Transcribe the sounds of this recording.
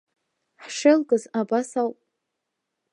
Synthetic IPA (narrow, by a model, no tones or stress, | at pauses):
ħʂɪlɡʼɨzabasawpʼ